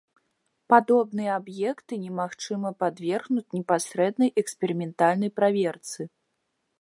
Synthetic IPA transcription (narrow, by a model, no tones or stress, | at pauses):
pad̪ɔbnɨjɛabjɛkt̪ɨnʲɛmaxt͡ʂɨmɐpad̪vʲɛrɣnut͡sʲnʲɛpasʲɾɛd̪nɐjʔɛksʲpʲɛɾɨmʲɛnt̪alʲnɐjpɾavʲɛrt̪sɨ